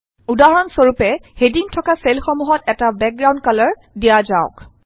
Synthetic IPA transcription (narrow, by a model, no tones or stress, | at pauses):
udaɦɔɔnsoɹupɛhedintʰɔkaselxomuɦɔtɛtabɛk̚ɡɹaw̃nkalɔɹ | dijazaʊ̰k